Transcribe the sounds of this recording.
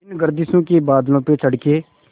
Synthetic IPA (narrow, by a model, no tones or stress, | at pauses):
ɪnɡəɾd̪isũːkeːbaːd̪lõːpeːt͡ʃʰəɽkeː